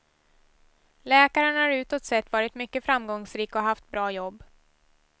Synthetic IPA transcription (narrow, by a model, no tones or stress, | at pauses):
lɛːkaɾənhaɾʉ̟ːt̪ɔt̪sɛt̪ːvɑːɾɪt̪mʏkːəfɾamɡɔŋsɾiːkɔɦaft̪̚bɾɑːjɔbː